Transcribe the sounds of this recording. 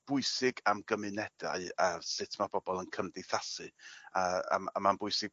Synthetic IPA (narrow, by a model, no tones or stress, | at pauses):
b̥ʊɨsɪɡamɡəmɨnɛd̥a̰ɨasɪtʰmab̥ɔbɔlˠənkʰəmdɪθasɨaa̰a̰manbʊɨsɪɡ̚